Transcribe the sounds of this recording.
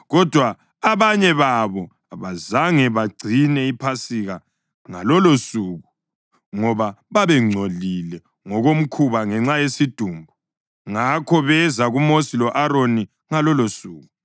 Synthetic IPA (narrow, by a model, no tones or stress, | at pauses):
ɣɔd̥ʱwaː | βaɲɛβaβɔ | aβazaŋɛβaɡ͡ǀʱinɛipʰasiɣa | ŋalɔlosuːɣu | ŋɔβaβaβɛŋ͡ǀʱolilɛ | ŋɔɣom̩kʰuβaŋɛŋ͡ǀajesid̥ʱuːmbʱu | ŋakʰɔβɛzaɣumosilɔʔaɾoni | ŋalɔlosuːɣu